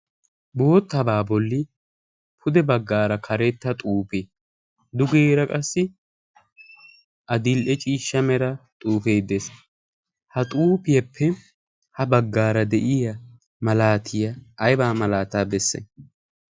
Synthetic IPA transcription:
bo̞ːt̪ːɐbaːbɔlːɪ | pʰʊd̪ɛbɐɡːaːɾɐkʰɐɾɛt̪ːɐt̪ʼuːpeː | d̪ʊɡeːɾɐkʼɐsːɪ | ʔɐd̪ɪlʔɛt͡ʃʼiːʃːɐmɛɾɐt̪ʼuːfe̞ːd̪es | hɐt̪ʼuːpɪjɐpʰːɛ | hɐbɐɡːaːɾɐd̪ɛʔɪjɐ | mɐlaːt̪ʰɪjɐːjbaːmɐlaːt̪aːbɛsːɛ̰

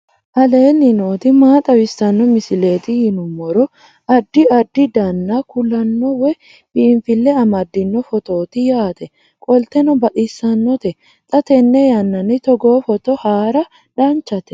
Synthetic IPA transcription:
ʔɐle̞ːnːɪnoːt̪ɪmaːt̪ʼɐwɪsɐnːɔmɪsɪle̞ːt̪ɪhɪnʊmːɔɾɔ | ɐd̪ːɪɐd̪ːɪd̪ɐnːakʊlɐnːɔwɛ | bɪːɱfɪlːɛɐmɐd̪ːɪnːɔfɔt̪o̞ːt̪ɪjaːt̪ɛ | kʼɔlt̪ɛnɔbɐʔɪsːɐnːɔt̪ɛ | t̪ʼɐt̪ɛnːɛjɐnːɐnɪt̪ɔɡo̞ːfɔt̪ɔhaːɾɐ | ᶑant͡ʃːɐt̪ɛ̥

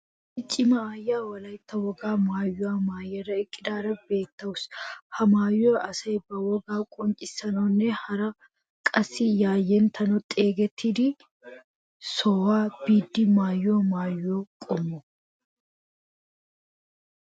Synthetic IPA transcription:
ɪt͡ʃʼːɪmɐaːjːaːwɐlɐjɪt̪ːɐwɔɡaːmaːjːʊwaːmaːjːɛɾːɐɪkʼːɪd̪aːɾɐbe̞ːt̪ːɐʊshɐmaːjoɐsɐjbɐwɔɡaːkʼɔnt͡ʃʼɪsːɐnɔnːɛhɐɾɐ | kʼɐsːɪjaːjːɛnt̪ʰɐnɐt̪ʼeːɡɛt̪ʰːid̪ɪ | sɔːwaːb̥iːd̪ːɪmaːjːoːmaːjːoːkʼɔmːɔ

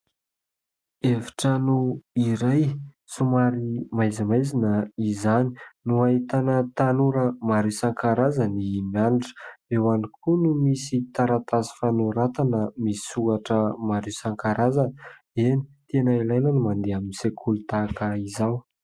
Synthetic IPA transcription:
evi̥ʈ͡ʂanuiɾaj | sumaɾimajzimajzinəizani̥nuait̪anət̪anuɾəmaɾisaŋkaɾazanimianiʈ͡ʂə̥ewanikʰunumisit̪aɾat̪azi̥fanuɾat̪anəmisi̥suɡaʈ͡ʂəmaɾisaŋkaɾazan | enit̪enəilajnənimand̪eaminisekʰulut̪akəizaw

